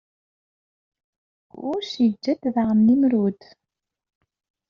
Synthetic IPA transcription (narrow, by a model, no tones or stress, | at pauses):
ʊ̰ɾʃjəd͡ʒːæd̪ðʁəmːimɾud̪